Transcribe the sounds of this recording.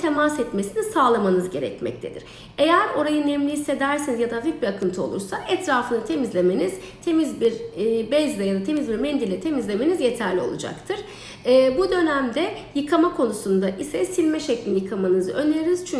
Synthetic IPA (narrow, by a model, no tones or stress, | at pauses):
t̪ʰe̞masɛt̪mesinisaːlˠamanɯzɟe̞ɾɛ̰cmɛ̰c̚t̪ʰe̞d̪ḭɾ̥ | e̞jæɾo̞ɾajɯnɛmlʲijise̞d̪æɾsenizjad̪avic̚biɾakʰɯnt̪ʰɯo̞lˠṵɾsaʔɛt̪ʰɾaːfɯnɯt̪ʰe̞mizlʲeme̞niz̥ | t̪ʰe̞mizbiɾbɛzlʲɛjad̪at̪ʰe̞mizbiɾmɛnd̪ilʲɛt̪ʰe̞mizlʲe̞me̞nizje̞t̪ʰæɾlʲio̞̰lˠṵd͡ʒa̰kt̪ʰɯɾ̥ː | bud̪ø̞næmd̪ɛjɯkʰamakʰo̞nusund̪aʔisɛsilʲmɛʃeclʲinjɯkʰamanɯzɯø̞nʲeɾiz̥t͡ʃʰy